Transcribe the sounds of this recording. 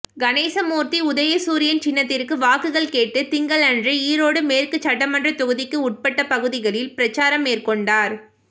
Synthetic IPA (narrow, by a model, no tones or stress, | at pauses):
ɡɐneːsɐmuːɾt̪iʊðɐjɐsuːɾɪjɐnt͡ʃɪnːɐt̪ːɪrkɯʋaːkɯɣɐɭkeːʈːɯt̪ɪŋɡɐɭɐndriiːɾoːɽɯmeːrkɯt͡ʃɐʈːɐmɐndrɐt̪ʊɣɯðɪkːɯʊʈ̚pɐʈːɐpɐɣɯðɪɣɐɭɪlpɪɾɐt͡ʃːaːɾɐmːeːrkɔɳɖaːɾ